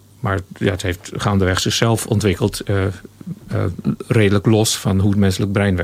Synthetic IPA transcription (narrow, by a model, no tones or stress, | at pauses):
maːɹjaətɦeftχandəʋɛχsɪχsɛlˠfɔ̰ntʋɪkəlˠt | reːdələklɔsfɑnɦuətmɛnsələk̚brɛjnʋɛ